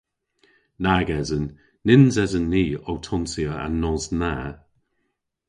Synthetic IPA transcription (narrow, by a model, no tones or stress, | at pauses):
naɡɛzənː | ɪnzɛzənːiːowtʰɔnsiəa̰nːɔzna